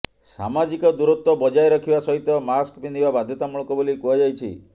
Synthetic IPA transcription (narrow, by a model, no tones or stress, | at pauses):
sa̰mad͡ʒikɔd̪uɾut̪wɔbɔd͡ʒajɾɔkʰibasɔɦit̪ɔmaskpinibabad̪ʱjɔt̪amuɭɔkɔbolikuɦɔd͡ʒajt͡ʃʰḭ